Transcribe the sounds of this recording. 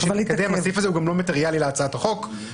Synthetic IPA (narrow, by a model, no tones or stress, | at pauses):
d̪emasifazeuɡamlo̞mat̪eʁijalileat͡saat̪aχo̞k